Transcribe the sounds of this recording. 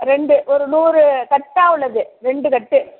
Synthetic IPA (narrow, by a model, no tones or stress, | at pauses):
ɾɛɳɖɯʔɔɾɯnuːɾɯkɐʈːaːʋɯɭɐðɯɾɛɳɖɯkɐʈːɯ